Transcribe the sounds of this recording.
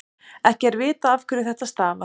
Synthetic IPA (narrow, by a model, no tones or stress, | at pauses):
ɛhcɪɛɾvɪːt̪aafkʰvɛɾɪθɛht̪ast̪aːna